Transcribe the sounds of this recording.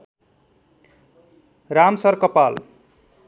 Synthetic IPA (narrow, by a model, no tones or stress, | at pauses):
ramsʌrkʌpal